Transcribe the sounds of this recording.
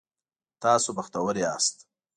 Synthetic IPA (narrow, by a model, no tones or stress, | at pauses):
t̪ɑːsopaxt̪awəɾeɑ̰st̪